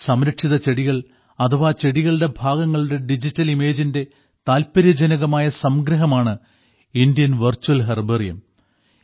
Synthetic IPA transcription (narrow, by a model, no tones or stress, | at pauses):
sɐmɾɐʈʂiðɐt͡ɕe̞ɽiɣɐɭ | ɐt̪ʰɐʋaːt͡ɕe̞ɽiɣɐɭɽe̞bʱaːɡɐŋːɐɭuɽe̞ɖid͡ʑitːɐlime̞ːd͡ʑinde̞ | t̪aːlpɐɾjɐd͡ʑɐnɐɣɐmaːjɐsɐmɡɾɐɦɐmaːɳɨ | indijɐnʋɐrt͡ɕːuɐlɦerberijɐ̰m